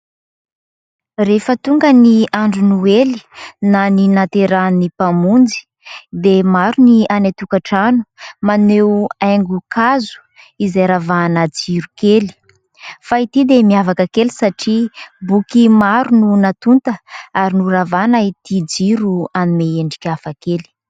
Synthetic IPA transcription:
refət̪uŋɡəniaɳɖ͡ʐunueli̥naninat̪eɾanipamund͡zi̥ | d̪emaɾunianat̪ukaʈ͡ʂanu̥manewajŋɡukazu̥ | izajɾavanəd͡ziɾukeli̥ | fait̪id̪emiavakəkelisaʈ͡ʂibukimaɾununat̪unt̪əaɾinuravanait̪id͡ziɾuanimeeɳɖ͡ʐi̥kʲafakeli̥

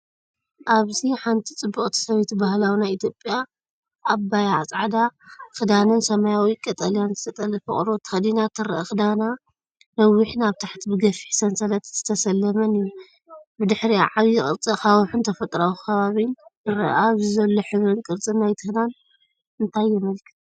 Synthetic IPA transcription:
ʔaβziħant̪ʰit͡sʼɨbːuχʼt̪ʰi̥sɐβet̪bahlawinajit̪ʰjopʼja | ʔːbajaat͡sʼʕad̪akɨd̪anɨnsɐmajawikʼɐt̪ʼɐlijanzɨt̪ʰɐt̪ʼɐlɐfɨ̰χʼɾot̪ʰɐxd̪inat̪ʰɨɾɐʔaxɨd̪ana | nɐwːiħnaβt̪ʰaħt̪ʰibɨɡɐfiħsɐnsɐlɐt̪z̥ɨt̪ʰɐsɐlːɐmɐniju | bɨd̪ɨħɾḭʕaβijɣʼɨɾt͡sʼixawħunt̪ʰɐfɐt̪ʼɾawkʰɐβaβinɨɾɐ̰ʔaβzɨzɐlːoħɨβɾɨnkʼɨɾt͡sʼɨnːajt̪ʰɨhnan | ɨnt̪ʰajːɛmɐlkʰɨ̥t̪

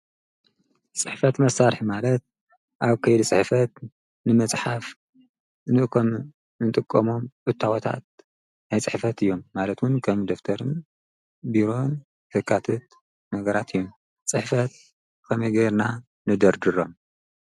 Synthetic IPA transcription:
t͡sʼɨħfɐt̪mɐsaɾħimalɐt̪̚ | ʔaβkʰɐjd̪it͡sʼɨħfɐt̪ | nɨmɨt͡sʼħaf | nɨʔkʰom | ɨnt̪ʼɨkʼːɐmo̞mʔɨt̪ʰːawot̪ʰa̰t̪̚ | najt͡sʼɨħfɐt̪ɨjːo̞mːalɐt̪wʊnkʰɐmd̪oft̪ʰɐɾɨn | biɾo̞n | hɨkʰʼːat̪ʰɐt̪̚ | nɐɡɐɾat̪ʰɨjːom | t͡sʼɨħfɐt̪̚ | kʰɐmɐjɡɐɾna | nɨd̪ɐɾd̪ɨɾom

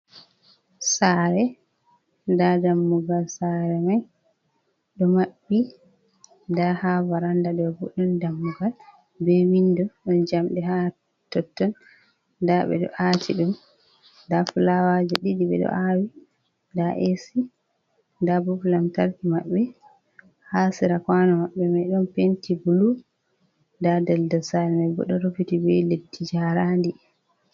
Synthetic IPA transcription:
saɾɛ | dadamːuɡalsaɾɛmaj | ɗɔmaɓːi | ndahavaɾandaɗɔbṵɗundamːuɡal | bɛwindɔɗɔnd͡ʒamɗɛɦa | tɔtːɔn | daɓɛ̰ɗɔ̰ʔatʰiɗum | dafulawad͡ʒɛɗidiɓɛ̰ɗɔ̰ʔawi | ndaʔesi | ndabufulamtaɾkimaɓːɛ | hasiɾakwanɔmaɓːɛmajɗɔmpentibulu | ndadɛldɔsaɾɛmɛbɔ̰ɗɔɾopitibɛjletːid͡ʒaɾandi

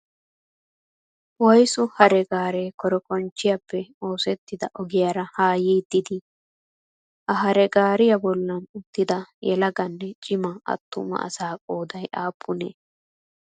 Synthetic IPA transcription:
wɔjsʊhɐɾɛɡaːɾeːkɔɾɔkɔnt͡ʃːɪjɐpːɛo̞ːsɛt̪ːɪd̪ɐʔɔɡɪjaːɾɐhaːjiːd̪ːɪd̪ɪ | ʔɐɦɐɾɛɡaːɾɪjɐbɔlːɐnʊt̪ːɪd̪ɐjɛlɐɡɐnːɛt͡ʃʼɪmɐɐ̰t̪ːʊ̰mɐ̰ʔɐ̰saːkʼoːd̪ɐjʔaːpʰːʊnḛː

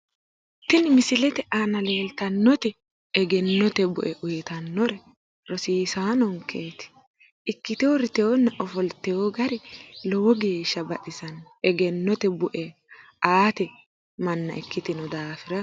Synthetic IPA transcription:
t̪ːɪnɪmɪsɪlɛt̪ɛʔanɐleːlt̪ɐnːɔt̪ɛː | ɡɛnːɔt̪ɛbʊ̰ʔɛʔʊjt̪ɐnːɔɾɛ | ɾɔsiːsaːnɔŋke̞ːt̪ɪ̥ | ɪkːɪt̪ɪwɔɾɪt̪ɛjɔnːɐʔɔfɔlt̪ːɛjoɡɐɾɛlɔwɔɡe̞ːʃːɐbɐʔɪsɐn | ɛɡɛnːɔt̪ɛbʊʔɛ | aːt̪ɛ | mɐnːɐ̰ʔɪkːɪt̪ɪnɔd̪aːfɪɾɐ

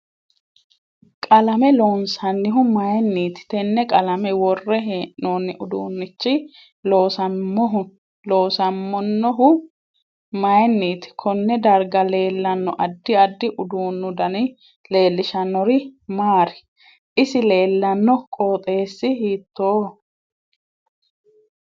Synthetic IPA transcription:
kʼɐlɐmɛloːnsɐnːɪɦʊmɐjnːiːt̪ɪ̥t̪ɛnːɛkʼɐlɐmɛwɔrːɛɦeʔnoːnːɪʔʊd̪ṵːnːɪt͡ʃːɪ | lo̞ːsɐɔɦʊ | loːsɐmːɔnːɔɦʊ | mɐjnːiːt̪ɪ̥kʰɔnːɛd̪ɐɾɡɐle̞ːlːɐnːɔʔɐd̪ːɪɐd̪ːɪʔʊd̪uːnːʊd̪ɐnɪ | le̞ːlːɪʃɐnːɔɾɪmaːɾɪ̥ | ʔɪsɪle̞ːlːɐnːɔkʼoːt̪ʼe̞ːsːɪɦiːt̪ːoː

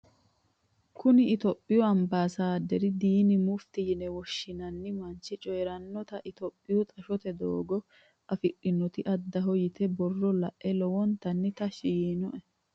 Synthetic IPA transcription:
kʊnɪːt̪ɔpʼːɪjɔɐmbaːsaːd̪ɛɾɪd̪iːnɪmʊft̪ɪjɪnɛwɔʃːɪnɐnːɪmɐnt͡ʃːɪt͡ʃʼɔjɛɾɐnːɔt̪ɐʔɪt̪ɔpʼːɪjʊt̪ʼɐʃɔt̪ɛd̪oːɡɔ | ɐfɪʔʼɪnːɔt̪ɪʔɐd̪ːɐɦɔjɪt̪ɛbɔrːɔlɐ̰ʔʔɛlɔwɔnt̪ɐnːɪt̪ɐʃɪjiːnɔʔɛ

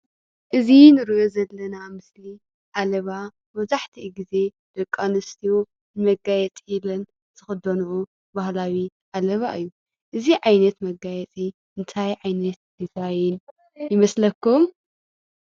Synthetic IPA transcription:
ʔɨzinɨɾiʔozɐlːɐnamɨsli | ʔalɐβa | mɐβzaħt̪ʰiʔɡize̞ | d̪̥ɐkʼːanɨst̪ʰijo | nɨmɐɡajɛt͡sʼiilɐn | z̥ɨxɨd̪ɐnuʔu | bahlawiʔalɐβa̰ʔɨjːu | ʔɨziʕajnɐt̪mɐɡajɛt͡sʼiʔɨnt̪ʰajʕajnɐt̪nɨt̪ʰajɪn | jɪmɐslɐkːum

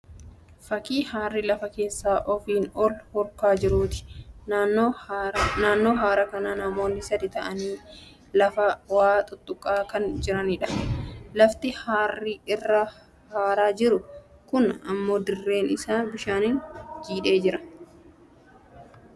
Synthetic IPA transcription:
fɐkiːhaːrːɪlɐfɐke̞ːsːaːʔɔfiːnɔlhɔɾkaːd͡ʒɪɾuːt̪ɪ̥ | naːnːo̞ːɦaːɾɐkɐnaːnɐmo̞ːnːɪsɐd̪ɪt̪ɐʔɐniː | lɐfɐwaːt̪ʼʊt̪ʼːʊkʼːaːkɐnd͡ʒɪɾɐnɪᶑɐ̥lɐft̪ɪhaːrːɪʔɪrːɐ | haːɾaːd͡ʒɪɾʊ | kʊnɐ̰mːo̞ːd̪ɪrːe̞ːnɪsaːbɪʃaːnɪnd͡ʒiːᶑe̞ːd͡ʒɪɾɐ

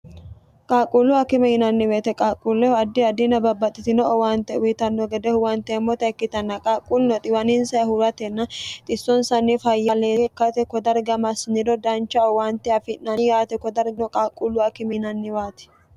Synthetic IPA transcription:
kʼaːkʼːulːʊɐkɪmɛhɪnɐnːɪweːt̪ɛkʼaːkʼːulːɛɔɐd̪ːɪɐd̪ɪnɐbɐbːɐt̪ʼːɪt̪ɪnɔɔwaːnt̪ɛʊjt̪ɐnːɔɡɛd̪ɛhʊwant̪ɛmːɔt̪ɐɛkːɪt̪ɐnːɐkʼaːkʼːulnɔt̪ʼɪwɐnɪnsɐɐhʊɾɐt̪ɛnːɐt̪ʼɪsːɔnsɐnːɪfɐjːɐleːɛkːɐt̪ɛkɔd̪ɐɾɡɐmɐsnɪd̪ɔd̪ɐnt͡ʃːɐɔwant̪ːɛɐfɪnːɐjaːt̪ɛkɔd̪ɐɾɡnɔkʼaːkʼːulːʊɐkɪmɛnɐnːɪwaːt̪ɛ̥

